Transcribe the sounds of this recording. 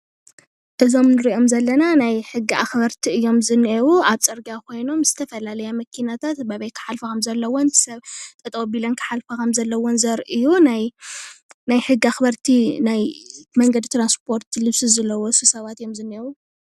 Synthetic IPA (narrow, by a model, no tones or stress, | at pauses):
ʔɨzo̞mnɨɾiʔo̞mzɐlːɐnanajħɨɡːiʔaxbɐɾt̪ʰiɨjːo̞mzɨnʔewuaβt͡sʼɐɾɡakʰo̞jno̞mzɨt̪ʰɐfɐlalɐjamɐkʰinat̪ʰat̪bɐβɐjt̪̚kʰɨ̥ħalfɐkʰɐmzɐlːɐwon̥sɐβt̪ʼɨt̪ʼɐwbilɐnkʰɨ̥ħalfɐkʰɐmzɐlːɐwonzɐɾʔɨjunaj | najħɨɡːiaxbɐɾt̪ʰinajmɐŋɡɐd̪it̪ɾanspʰo̞ɾt̪ʰlɨβsɨzɐlːɐwosɨsɐβat̪ɨjːo̞mzɨnewu